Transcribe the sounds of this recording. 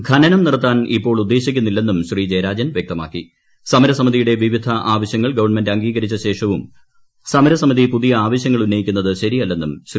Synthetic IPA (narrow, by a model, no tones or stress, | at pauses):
ɡʰʱɐnɐnɐmnirɐt̪ːaːnipːo̞ːɭud̪ːe̞ːɕikʲːunːilːe̞nːumɕriːd͡ʑɐejɾaːd͡ʑɐnʋje̞k̚t̪ɐma̰ːkːi | sɐmɐɾɐsɐmiðijuɽe̞ʋiʋid̪ʱɐʔaːʋɐɕjɐŋːɐɭɡɐʋɐrɳmendɐŋɡiːɡɐɾit͡ɕːɐɕe̞ːʂɐʋum | sɐmɐɾɐsɐmiðipuðijɐaːʋɐɕjɐŋːɐɭunːɐjikʲːunːɐðɨɕɐɾijɐlːe̞nːumɕ